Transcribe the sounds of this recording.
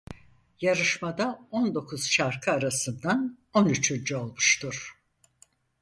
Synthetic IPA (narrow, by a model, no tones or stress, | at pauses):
jaɾɯʃmad̪aond̪o̞kʰuz̥ʃaɾkʰɯaɾasɯnd̪an | onyt͡ʃʰynd͡ʒyo̞lˠmuʃt̪ʰuɾ̥